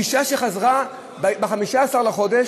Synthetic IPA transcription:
iʃaʃe̞χazʁa | bbeχamiʃaːsaʁlaχo̞d̪eʃ

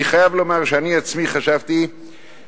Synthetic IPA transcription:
iχajavlo̞maʁʃeaniat͡smiχaʃavt̪i

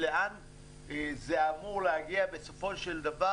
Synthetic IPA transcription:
leʔan | zeamuʁlehaɡiabe̞sofo̞ʃeld̪ava

